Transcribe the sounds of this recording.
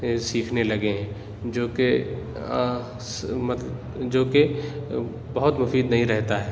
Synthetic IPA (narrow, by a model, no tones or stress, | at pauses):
siːkʰnelɐɡeɦɛ̃ | d͡ʒoːke | mɐt̪ | d͡ʒoːke | bɐɦʊt̪mʊfiːd̪nɐɦĩɾɛɦt̪aɦɛː